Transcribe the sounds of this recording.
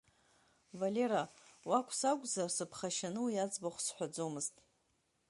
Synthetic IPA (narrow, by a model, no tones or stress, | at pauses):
valʲe̞ɾawakʷʼʰsaɡʷʼzarsɨpʰχaʃanɨwjad͡zbaχʷsħʷᶣad͡zo̞mɨztʼ